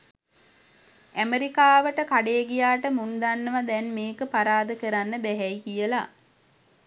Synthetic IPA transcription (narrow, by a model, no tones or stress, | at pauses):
æmeɾikaːʋəʈəkaɖeːɡijaːʈəmund̪anːəʋad̪ɛnmeːkəpaɾaːd̪əkəɾanːəbæɦɛjkijəla